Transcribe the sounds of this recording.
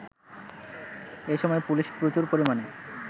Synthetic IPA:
eʃɔmɔepuliʃpɾot͡ɕuɾpoɾimane

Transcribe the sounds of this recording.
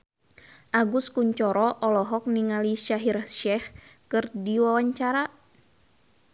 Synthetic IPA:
ʔaɡuskuɲt͡ʃɔɾɔʔɔlɔɦɔk̚niŋaliʃaɦirʃɛhkɨrdiwawaɲt͡ʃaɾa

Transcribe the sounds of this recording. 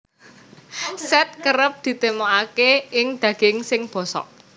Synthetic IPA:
sɛt̪̚kəɾəp̚d̪̥i̤t̪emoakeɪŋd̪̥ä̤ɡ̥ɪŋsɪŋb̥ɔ̤sɔ̰ʔ

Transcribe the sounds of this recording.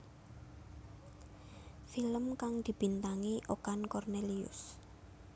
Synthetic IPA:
filəmkaŋd̪̥i̤b̥i̤nt̪aŋiʔokankɔrneliʊ̰s

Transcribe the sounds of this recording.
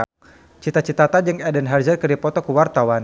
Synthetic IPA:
t͡ʃit̪at͡ʃit̪at̪ad͡ʒɨŋɛdənɦard͡ʒərkərdipɔt̪ɔkuwart̪awan

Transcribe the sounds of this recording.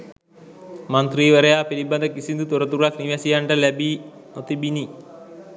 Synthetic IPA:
mɐnt̪riːʋɐɾɐjaːpeɾibɐnd̪ʱɐkisind̪ut̪urɐt̪ːuɡɭakniʋaːsijaːɳɖɐlɐbi | not̪ibini

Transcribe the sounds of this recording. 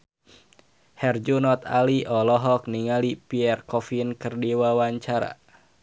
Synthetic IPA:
hɛrd͡ʒunɔt̪a̰liʔɔlɔɦɔk̚niŋalipiɛrkɔfinkɨrdiwawaɲt͡ʃaɾa̰

